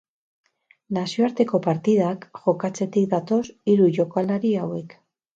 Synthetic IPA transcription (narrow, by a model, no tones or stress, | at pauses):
nasio̞aɾt̪e̞ko̞paɾt̪iðakʝo̞kat͡se̞t̪ik̚d̪at̪o̞siɾuʝo̞kalaɾiawe̞k